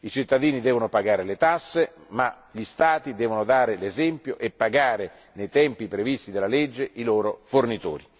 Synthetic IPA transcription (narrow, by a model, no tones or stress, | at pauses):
it͡ʃit̪ːad̪iːnid̪ɛːvonopaɡaːɾelet̪asːe | ma | ʎist̪aːt̪id̪ɛːvonod̪aːɾelezɛmpjoʔepːaɡaːɾe | nejt̪ɛmpipɾevist̪id̪elaled͡ʒːeʔiloːɾofornit̪o̰ːɾi